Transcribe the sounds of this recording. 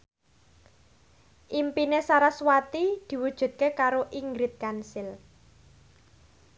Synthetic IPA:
ʔimpinesaɾaswat̪id̪̥i̤wud̥ʒ̥ṳt̪̚kekaɾoʔiŋɡɾɪt̪̚kansɪl

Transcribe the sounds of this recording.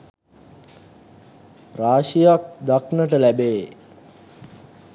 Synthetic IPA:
raːʃijak̚d̪aknəʈəlæbeː

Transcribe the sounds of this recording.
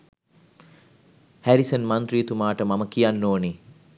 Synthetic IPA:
hæɾisənmant̪ɾijet̪umaːʈəmaməkijanːoːni

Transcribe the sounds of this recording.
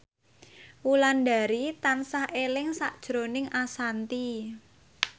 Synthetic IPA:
wulanda̤ɾit̪ansahelɪŋsaʔd̥ʒ̥ɾonɪŋasant̪i

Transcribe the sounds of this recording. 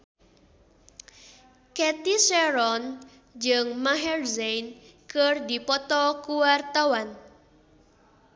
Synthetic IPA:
kɛt̪isɛɾɔn | d͡ʒɨŋmaɦɛrzejnkərd̪ipɔt̪ɔkuwart̪awan

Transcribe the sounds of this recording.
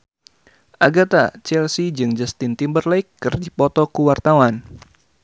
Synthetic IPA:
ʔaɡat̪at͡ʃɛlsid͡ʒɨŋd͡ʒast̪int̪imbərlaikːɨrdipɔt̪ɔkuwart̪awan

